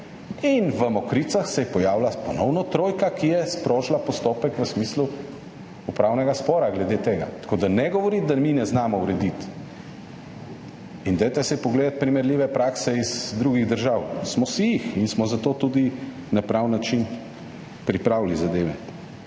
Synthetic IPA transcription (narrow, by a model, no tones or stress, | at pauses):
inʋəmɔkɾit̪saxsɛjɛpɔjaːwlapɔnɔwnɔt̪ɾoːjkakijɛspɾoːʒlapɔst̪oːpɛkʋəsmiːslu | upɾaːwnɛɡaspɔːɾaɡlɛd̪et̪eːɡa̰t̪ḁkʰod̪anɛɡɔʋɔɾid̪aminɛznaːmɔuɾɛd̪it̪ | ind̪ajt̪ɛsɛjpɔɡleːd̪at̪̚pɾimɛɾliːʋɛpɾaksɛizd̪ɾuːɡiɣd̪əɾʒawsmɔsijixinsmɔzat̪oːt̪uːd̪i | napɾawnːat͡ʃin | pɾipɾaːwlizad̪eːʋɛ